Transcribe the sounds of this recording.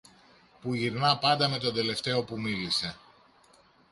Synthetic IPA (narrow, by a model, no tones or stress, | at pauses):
puʝiɾnɐpɐnd̪ɐme̞t̪o̞nd̪e̞le̞ft̪e̞o̞pumilise̞